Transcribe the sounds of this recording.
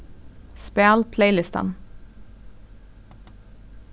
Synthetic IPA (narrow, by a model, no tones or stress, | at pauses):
speːlpʰleɪlɪst̪ɑ̰n